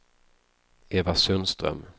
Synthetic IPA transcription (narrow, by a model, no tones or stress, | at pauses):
eːvasɵnst̪ɾœ̰m